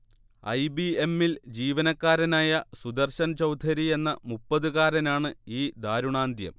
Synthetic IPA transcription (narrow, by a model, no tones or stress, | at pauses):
ɐ̰jbiemːild͡ʑiːʋɐnɐkːaːɾɐnaːjɐsud̪ɐrɕɐnt͡ɕɐwd̪ʰʱɐɾie̞nːɐmupːɐðuɣaːɾɐnaːɳɨiːd̪aːɾuɳaːnd̪ʱjɐ̰m